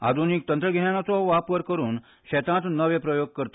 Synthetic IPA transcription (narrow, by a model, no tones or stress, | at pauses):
a̰d̪ʱunik̚t̪ənt̪ɾəɡʱeɳjanat͡sɔʋapʋəɾkəɾuːn | ɕɛt̪ãt̪nəʋẽpɾəjoɡ̚kəɾt̪